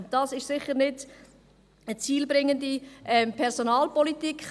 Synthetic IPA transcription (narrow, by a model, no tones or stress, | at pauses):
d̥ɑːsɪʃsɪχəʁnɪd | ət͡siːlbʁɪŋəndiʔɛmpʰɛʁzonɑːlpɔlitikχ